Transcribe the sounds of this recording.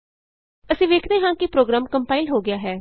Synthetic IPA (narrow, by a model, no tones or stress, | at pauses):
əsĩːʋeːkʰd̪eːɦãːkɪpɾoːɡɾaːmkəmpaːɪlɦoːɡɪjaːɦɛː